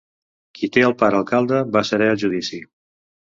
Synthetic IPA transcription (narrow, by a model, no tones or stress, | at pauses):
kʰit̪eəlˠpaɾəlˠkalˠd̪əβasəɾɛəlˠʒuðisi